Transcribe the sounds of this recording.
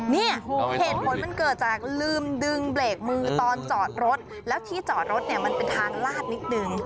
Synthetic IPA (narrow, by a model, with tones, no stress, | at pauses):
ni˥˩ɐheː˨˩t̪̚pʰo˩˦nma˧nkɤː˨˩t̪̚t͡ɕaː˨˩k̚lɯː˧mdɯ˧ŋbleː˨˩k̚mɯː˧t̪ɔː˧nt͡ɕɔː˨˩t̪̚ɾo˦˥t̪̚ | lɛː˦˥wt̪ʰiː˥˩t͡ɕɔː˨˩t̪̚ɾo˦˥t̪̚ni˥˩ɐma˧npe˧nt̪ʰaː˧ŋlaː˥˩t̪̚ni˦˥t̪̚nɯ˧ŋ